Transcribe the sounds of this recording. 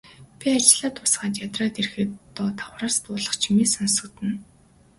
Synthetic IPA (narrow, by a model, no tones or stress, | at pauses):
pʲiat͡ɕ̆ɮaːt̪pʊsɢaːt̪jat̪raːt̪erxɘ̆t̪ːɔːt̪ʰawraːst̪ʊːɮə̆χt͡ɕʰimiːsɔnsɞ̆kt̪ɘ̆n